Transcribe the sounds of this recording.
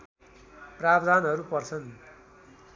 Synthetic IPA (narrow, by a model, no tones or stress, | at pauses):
prabd̪ʱanɦʌɾupʌrt͡sʰʌn